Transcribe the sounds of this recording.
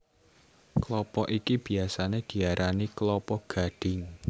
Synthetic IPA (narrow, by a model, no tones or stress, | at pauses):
klɔpɔʔikib̥i̤asaned̪̥i̤aɾʔaniklɔpɔɡ̥a̤ɖ̥ɪ̤ŋ